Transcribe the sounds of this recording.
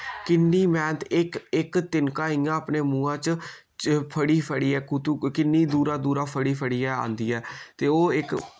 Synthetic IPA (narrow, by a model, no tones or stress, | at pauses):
kɪnːiːmɛ̃ːnt̪ɪkɪkt̪ɪnkãːiːãːəpneːmũːãːt͡ʃ | pʰəɽiːpʰəɽiːɛːkut̪ukɪnːiːd̪uːɾaːd̪uːɾaːpʰəɽiːpʰəɽiːɛːã̰ːnd̪iːɛːt̪eːoːɪk